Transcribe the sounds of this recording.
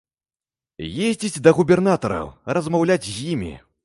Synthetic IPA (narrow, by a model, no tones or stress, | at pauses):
jezʲd͡zʲid͡zʲd̪ɐɣubʲɛrnat̪ɐɾɐ̰wrɐzmawlʲad͡zʲzʲjimʲḭ